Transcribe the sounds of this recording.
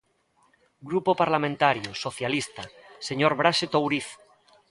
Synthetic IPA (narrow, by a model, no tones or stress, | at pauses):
ɡɾupopaɾlamẽnt̪aɾjosoθjalist̪a | seɲoɾβɾaset̪owɾiθ